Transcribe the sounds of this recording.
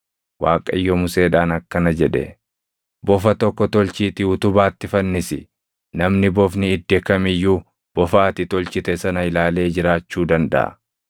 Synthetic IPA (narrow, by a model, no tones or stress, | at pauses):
waːkʼɐjːɔmʊse̞ːᶑaːnɐkːɐnɐd͡ʒɛᶑɛ̰ | bɔfɐt̪ɔkːɔt̪ɔlt͡ʃiːt̪ɪʊt̪ʊbaːt̪ːɪfɐnːɪsɪ | nɐmnɪbɔfnɪːd̪ːɛkɐmɪjːuː | b̥ɔfaːt̪ɪt̪ɔlt͡ʃɪt̪ɛsɐnɐɪlaːle̞ːd͡ʒɪɾaːt͡ʃːuːd̪ɐnd̪ɐ̰ʔɐ̰